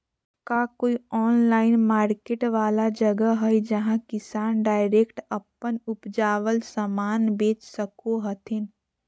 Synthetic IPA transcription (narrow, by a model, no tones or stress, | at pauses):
kakoːiɔːnlaːɪnmaːɾkeːʈʋaːlad͡ʒəɡəɦəjd͡ʒɐɦãkɪsaːnɖaːɪɾekʈəpːənʊpd͡ʒaːʋəlsəmaːnbeːt͡ʃsəkoɦət̪ʰɪn